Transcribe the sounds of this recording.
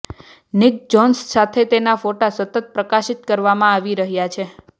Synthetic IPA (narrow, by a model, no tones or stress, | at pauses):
nɪk̚d͡ʒɔnsːat̪ʰet̪enafoʈasət̪ət̪̚pɾəkaʃit̪kəɾʋamãaʋiɾəɦjat͡ʃʰe